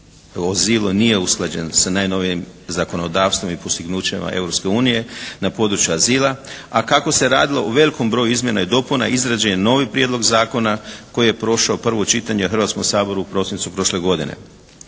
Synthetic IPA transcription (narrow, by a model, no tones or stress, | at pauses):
ozilˠunije̞usklˠad͡ʑensanaːjno̞ʋijimzako̞no̞d̪aːʋst̪ʋomipost̪iɡnuːt͡ɕema̰ʔe̞̰vɾopske̞uːnije̞napo̞d̪ɾut͡ʃjuaziːlˠaakako̞se̞ɾa̰ːd̪ilo̞ʔoʋe̞liko̞mbɾo̞juizmje̞naid̪o̞puna̰ʔizɾad͡ʑajeno̞ːʋipɾjed̪lˠo̞ɡzaːko̞nako̞jije̞pɾo̞ʃaopr̩ʋot͡ʃit̪aɲexr̩ʋat̪komsaːbo̞ɾuːpɾo̞sinit̪supɾo̞ʃle̞ɡo̞d̪ine̞̰